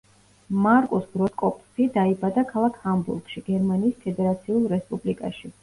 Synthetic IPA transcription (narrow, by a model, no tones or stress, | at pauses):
maɾkʼɔsbɾɔt̪kʼɔpʼsid̪aibad̪akʰalˠakʰhambṵɾɡ̥ʃiɡ̥ɛɾmaniːspʰɛd̪ɛɾat̪sʰiulˠɾɛspʼublikʼa̰ʃi